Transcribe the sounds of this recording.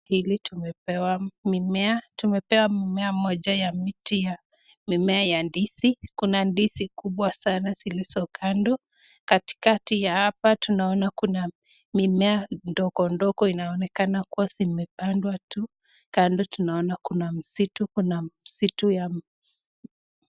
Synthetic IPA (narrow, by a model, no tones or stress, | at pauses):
hilitumɛpɛwamimɛatumɛpɛwamimɛamɔʄajamitija | mimɛajandisikunandisikuɓwasanasilisɔkʰandɔ | kati̥katijahapatunaɔnakuna | mimɛandɔkɔndɔkɔinaɔnɛkanakuwasimɛpandwatu | kandɔtunaɔnakunam̩situkunamisituja